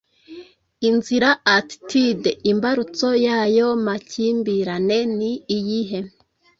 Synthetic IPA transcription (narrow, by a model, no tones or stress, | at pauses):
inziɾaːttideimbaɾut͡so̞jajo̞maciːmbiɾane̞niːjiɦe̞